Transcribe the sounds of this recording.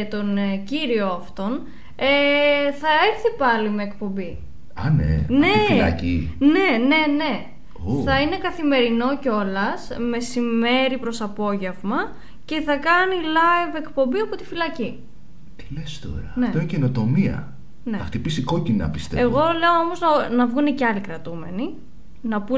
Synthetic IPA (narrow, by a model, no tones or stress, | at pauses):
t̪o̞nciɾioɐft̪o̞n | eθɐeɾθipɐlimeːkpo̞mbi | ɐnḛne̞ilɐ̰cine̞ne̞ne̞ | oθθɐine̞kɐθime̞ɾino̞ceo̞lɐsme̞sime̞ɾipɾo̞sɐpo̞ʝe̞vmɐ | ce̞θɐkɐnilɐjve̞kpo̞mbiɐpo̞t̪ifilɐci | t̪i̥le̞st̪o̞̰ɾɐɐneoince̞no̞t̪o̞miɐ̰ | neɐxt̪ipisiko̞cinɐ̰pist̪eeɣɣo̞le̞o̞omo̞zɐnɐvɣuneceɐlikɾɐt̪ume̞ni | nɐpu